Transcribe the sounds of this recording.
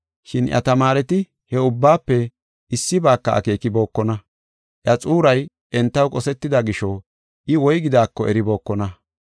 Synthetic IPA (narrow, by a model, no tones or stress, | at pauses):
ʃɪnʔjʔɐ̰t̪ɐmaːɾɛt̪ɪ | hɛʊbːaːpːɛ | ɪsːɪbaːkːɐɐ̰ke̞ːkɪbo̞ːkːɔnɐ | ʔjɐt͡sʼuːɾɐj | ʔɛnt̪ːɐwkʼɔsɛt̪ːɪd̪ɐɡɪʃɔ | ʔɪwɔjɡɪd̪aːkːɔʔɛɾɪbo̞ːkːɔnɐ